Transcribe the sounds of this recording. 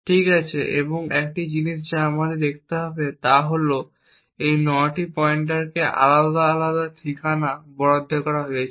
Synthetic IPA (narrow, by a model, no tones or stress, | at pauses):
ʈʰikat͡ɕʰeʔḛboŋɛk̚ʈid͡ʑiniʃ̬d͡ʑaamad̪eɾd̪ek̚ʰt̪eɦɔbet̪aɦolo | ejnɔʈipɔeɳʈ̬aɾkeʔa̰lad̪aalad̪at̪ʰikʰanabɔɽod̪ʱːekɔɾaɦoet͡ɕʰ